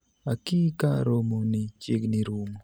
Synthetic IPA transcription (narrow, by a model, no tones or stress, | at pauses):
akikaɾomonit͡ʃeɡniɾumo